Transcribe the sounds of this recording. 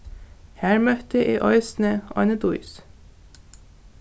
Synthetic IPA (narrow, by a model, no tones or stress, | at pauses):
hæːɹmœt̪əʔeːʔɑʏsn̩əʔɑ̰ʏnəd̪ʊʏs